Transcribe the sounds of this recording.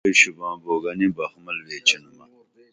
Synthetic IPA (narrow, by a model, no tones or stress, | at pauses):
iɕubãːboːɡɐnibɐhmɐlweːt͡ɕɐnmɐ